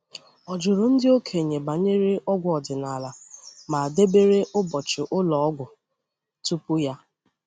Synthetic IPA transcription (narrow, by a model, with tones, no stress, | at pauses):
ɔ˨d͡ʒʊ˨ɾʊ˨n̩˦dɪ˦o˦kʰe˨ɲe˨ba˨ɲe˦ɾe˦ʔɔ˦ɡʷʊ˦ɔ˨dɪ˨na˨la˨ma˨a˨de˦be˦ɾe˦ʔʊ˦bɔ˨t͡ʃɪ˨ʔʊ˦lɔ˨ɔ˦ɡʷʊ˨ | tu˦pʊ˦ja˦